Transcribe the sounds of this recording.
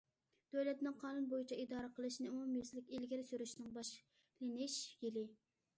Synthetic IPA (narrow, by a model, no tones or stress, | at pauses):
d̪̥øwlɛt̪nɨŋqʰɑːnunbojit͡ʃʰɛid̪ɑːɾəqʰəlˠɨʃnɨumumjislɪkʲilɡʲiɾɪsyɾyʃnɪŋbɑʃ | lɪnɪʃjilɪ